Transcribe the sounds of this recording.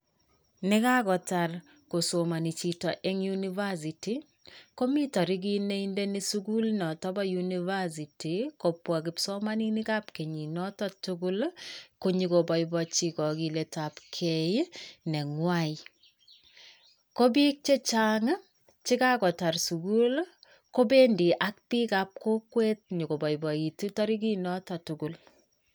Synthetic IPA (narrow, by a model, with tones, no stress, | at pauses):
nɪ˦ka˦kɔ˨ta˨r | ko˨so˨ma˨ni˨t͡ʃi˨tɔ˨ʔɛ˦ŋjuniva˦si˨ti˨ | ko˦mi˦tɔ˨ɾi˦k̬i˦ne˦inde˦ni˦suku˦lnɔ˨tɔ˦bɔ˦juniva˦s̬i˨ti˨ko˨pːwa˨kɪ˨psɔ˦ma˦ni˦nɪ˦ka˦pke˨ɲi˨nɔ˦tɔ˦tʊkʊ˦lko˦ɲi˨kobɔ˨jbɔt͡ʃikɔ˨ki˨letapkʰejnɛ˨ŋwaji | ko˦bi˦k̚t͡ʃe˦t͡ʃaŋa˦ | t͡ʃi˦ka˦kɔ˨ta˨rsu˨kul | ko˦be˦ndi˨ʔa˦k̚pi˦kap̚ko˦kwe˦t̚ɲi˨ko˨bɔ˨ibɔ˨i˨tu˦tɔ˦ɾi˦k̬inɔ˦tɔ˨tuku˨l